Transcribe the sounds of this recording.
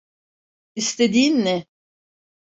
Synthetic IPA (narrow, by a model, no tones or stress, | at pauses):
ist̪ʰed̪iːnːɛ